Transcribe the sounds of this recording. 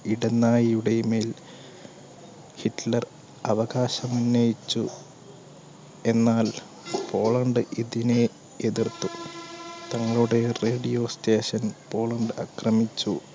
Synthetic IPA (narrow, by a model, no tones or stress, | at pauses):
iɽenːaːjijuɽejmeːl | hiʈlɐr | ɐʋɐɣaːɕɐmunːɐjit͡ɕːu | e̞nːaːl | po̞ːɭɐɳɖɨiðine | eðirt̪u | t̪ɐŋːɐɭuɽe̞re̞ːɖijo̞ːste̞ːɕɐnpo̞ːɭɐɳɖɨɐkrɐmit͡ɕːu